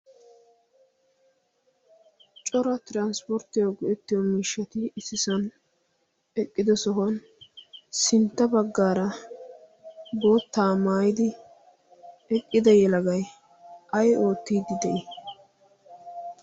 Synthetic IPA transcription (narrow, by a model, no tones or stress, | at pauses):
t͡ʃʼɔɾɐt̪ɪɾanspɔɾt̪ːɪjoɡʊʔɛt̪ːɪjɔmiːʃːɐt̪ɪɪsɪsɐn | ɛkʼːɪd̪ɔsɔɦɔn | sɪnt̪ːɐbɐɡːaːɾɐ | bo̞ːt̪ːaːmaːjɪd̪ɪ | ɛkʼːɪd̪ɐjɛlɐɡɐj | ʔɐjo̞ːt̪ːiːd̪ɪd̪ɛʔɪ